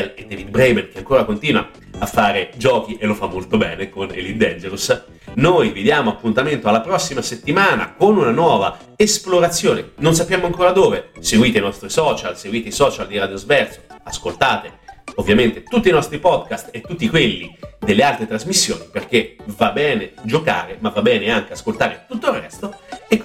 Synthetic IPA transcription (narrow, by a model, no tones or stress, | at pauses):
led̪ːɛvid̪̚bɾɛjmɛnk̟eaŋkoːɾakont̪iːnwa̰ | afːaːɾed͡ʒɔːk̟iʔelːofamːolt̪obɛːnekonḛlid̪ɛnd͡ʒelus | nojved̪jaːmoapːunt̪ament̪oalːapɾɔsːimaset̪ːimaːna̰konunanwɔːva | esploɾat̪sːjoːnenons̬apːjaːmoaŋkoːɾad̪oːveseɡwiːt̪einɔst̪ɾisɔːt͡ʃalseɡwiːt̪eisɔːt͡ʃald̪iɾad̪jozvɛrso̥askolt̪aːt̪eovːjament̪et̪ut̪ːinɔst̪ɾipɔd̪kast̪et̪ːut̪ːikwelːid̪elːealt̪ɾet̪ɾazmisːjo̰ːniperkevabːɛːned͡ʒoka̰ːɾemavːabːɛːneaŋk̟easkolt̪aːɾet̪ut̪ːoirːɛ̰st̪oe